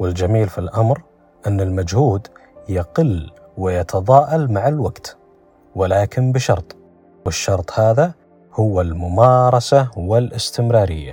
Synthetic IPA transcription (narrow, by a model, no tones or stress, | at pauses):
wɪld͡ʒamiːlfilʔamɾ | ʔɪnːɪlmad͡ʒhuːd̪jaqɪl | wɪjɑt̪ʰɑðˤɑːʔɑlmaʕalwaɡt̪ | wɪlaːkɪnbɪʃɑɾˤt̪ˤ | wɪʃːɑɾˤt̪ˤhaːða | hʊwːalmʊmɑːɾˤɑsawɪlʔɪst̪ɪmɾɑːɾɪjːa